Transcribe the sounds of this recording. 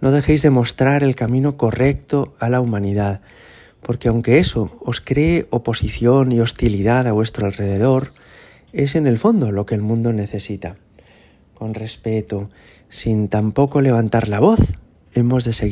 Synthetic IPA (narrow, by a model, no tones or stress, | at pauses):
no̞ð̞e̞xe̞jzðe̞mo̞st̪ɾaɾe̞lkamĩno̞ko̞re̞kt̪o̞alaumãniðað | po̞ɾke̞awŋke̞eso̞oskɾe̞ːʔo̞po̞siθjo̞nio̞st̪iliðaðaβwe̞st̪ɾoalre̞ð̞e̞ð̞o̞ɾ | e̞se̞ne̞lfo̞nd̪o̞lo̞ke̞ːlmũnd̪o̞ne̞θe̞sit̪a | ko̞nre̞spe̞t̪o | sint̪ampo̞ko̞le̞β̞ant̪aɾlaβ̞o̞θ | e̞mo̞zðe̞seɣ